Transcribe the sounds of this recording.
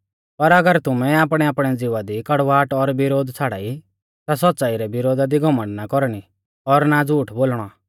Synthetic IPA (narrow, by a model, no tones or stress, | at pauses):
pɐɾɐɡəɾt̪ʊmɛ̃aːp̬ɽ̃ɛaːpɽ̃ɛd͡zɪʋad̪ikɐɽʋaːʈɔɾbɪɾoːd̪t͡sʰaːɽa̰ːi | t̪as̬ɔt̪ːt͡saːiɾɛbɪɾoːd̪ad̪iɡʱɔmə̃ɳɖnakɔɾɽ̃i | ɔɾnad͡zuːʈʰboːlɽ̃ɔ